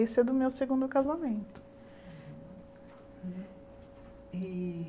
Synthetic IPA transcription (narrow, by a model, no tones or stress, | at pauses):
esɛd̪ʊmewseɡũnd̪ʊkazamẽnt̪ʊ̥ | i